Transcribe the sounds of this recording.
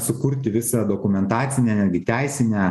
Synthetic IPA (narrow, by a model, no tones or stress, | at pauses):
sʊkʊɾʲt̪ʲɪʋʲɪsɑd̪oːkʊmʲɛnt̪ɑːt̪sʲɪnʲeːnʲæd̪ʲɡʲɪt̪ʲæɪsʲɪnʲæː